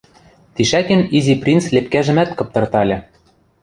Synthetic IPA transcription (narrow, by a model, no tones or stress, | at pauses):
t̪iʃækɘ̆niziprʲint͡slʲep̚kæʒɘ̆mæt̪kɤ̆p̚t̪ɤ̆rt̪ɑlʲɤ̆